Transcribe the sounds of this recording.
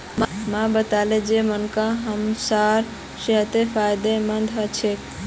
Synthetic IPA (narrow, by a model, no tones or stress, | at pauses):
mmabət̪aled͡ʒemənkaɦəmsaɾ | seɦt̪epʰajd̪emənd̪ʱɦət͡ʃʰek